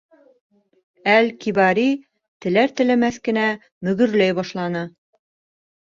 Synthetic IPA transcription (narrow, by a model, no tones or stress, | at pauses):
ælkibɑɾi | t̪ɘ̆læɾt̪ɘ̆læmæθkɘ̆næ | mɵ̆ɡɵ̆ɾlæjbɒʃlˠɑnɤ